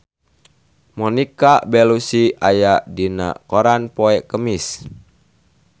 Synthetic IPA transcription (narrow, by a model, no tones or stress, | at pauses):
mɔnikabɛlusiajaʔdina̰koɾanpɔɛkəmis